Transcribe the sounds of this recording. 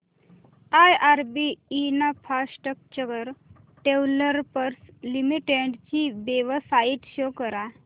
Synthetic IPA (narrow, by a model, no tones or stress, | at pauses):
ajaɾbiːnafʰasʈək̚t͡ɕəɡəɾ | ʈewləɾpəɾslimiʈeɖt͡ɕibeʋəsait̪ɕokəɾa